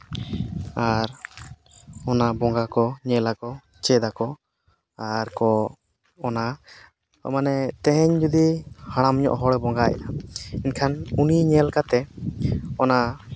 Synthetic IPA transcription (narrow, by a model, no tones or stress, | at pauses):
aɾ | ɔnabɔŋɡakɔɲɛlakɔ | t͡ʃɛd̪akɔ | aɾkɔː | na | ɔ̰manɛt̪ɛɦɛɲd͡ʒɔd̪ihaɽ̃amɲɔ̰ʔɦɔɽɛbɔŋɡajɛ̰ʔainkʰanuniɲɛlkat̪ɛ | ɔna